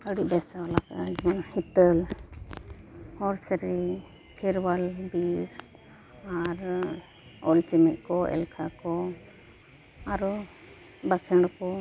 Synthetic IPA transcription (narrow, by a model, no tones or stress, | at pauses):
əɽibɛsaalakad͡ʒanhit̪əl | hɔɾsɾi | kʰɛɾwalbiɾ | aɾ | ɔlt͡ʃɛmɛʔ̚ˀkɔɛ̰lkʰakɔ | aɾɔ | bakʰɛɳɽkɔ